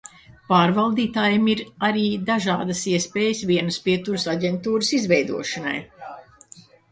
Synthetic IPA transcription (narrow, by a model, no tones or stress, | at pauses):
paːɾvalˠd̪iːt̪aːjamiɾaɾiːd̪aʒaːd̪ɐsiɛspeːjəsvʲiɛnɨspiɛt̪uɾɨsaɟʲɛnt̪uːɾɨsizvɛjd̪uɔʃana̰j